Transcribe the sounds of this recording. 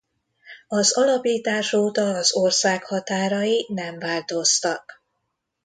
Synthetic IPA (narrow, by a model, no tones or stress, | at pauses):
ɒzɒlɒpiːt̪aːʃoːt̪ɒːzorsaːkhɒt̪aːɾɒjinɛɱvaːlt̪o̞st̪ɒk